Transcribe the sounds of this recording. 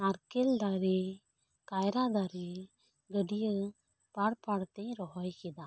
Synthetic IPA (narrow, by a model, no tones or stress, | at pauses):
naɾkeld̪aɾe | kajɾad̪aɾe | ɡəɖijə | paɽpaɽt̪ɛ̃ɾɔɦɔjkɛd̪a